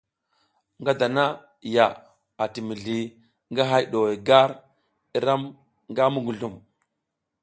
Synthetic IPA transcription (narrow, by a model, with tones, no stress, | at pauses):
ŋɡa˦da˨na˦˨ | ja˨ | a˨ti˨mi˨ɮi˨ | ŋɡa˦ɦa˦jɗo˨we˨ɡa˦ɾ | i˦ɾa˦m | ŋɡa˦mu˦ɡu˨ɮu˦˨m